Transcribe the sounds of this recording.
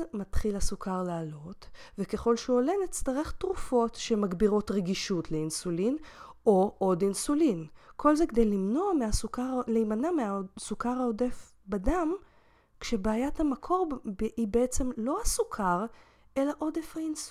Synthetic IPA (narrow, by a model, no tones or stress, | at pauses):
matχilhasukʰaʁlaːlo̞tvekeχo̞lʃeolenit͡staʁeχtʁufo̞tʃemaɡbiʁo̞tʁeɡiʃutleinsulinoʔo̞dinsulinkʰo̞lzekd̪ejlimno̞ameasukaʁlejmanameasukaʁhaode̞f | badam | kʃe̞baːjathamakʰo̞ʁibeet͡se̞mlo̞hasukʰaʁ | e̞laʔo̞defhains